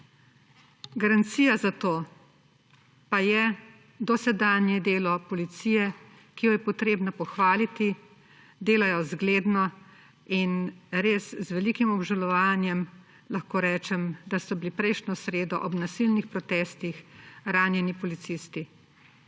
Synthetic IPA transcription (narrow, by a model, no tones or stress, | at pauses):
ɡaɾant̪sijazat̪oː | pajɛ | d̪ɔsɛd̪aːnjɛd̪eːlɔpɔlit̪sijɛ | kijɔjɛpɔt̪ɾeːbnapɔxʋaːlit̪i | d̪eːlajɔzɡleːd̪nɔ | inɾeːszʋɛlikimɔbʒalɔʋaːnjɛm | laxkoːɾɛːt͡ʃɛmd̪asɔbilipɾɛjʃnɔsɾeːd̪ɔʔɔbnasilnixpɾɔt̪ɛːst̪ixɾaːnjɛnipɔlit̪sist̪i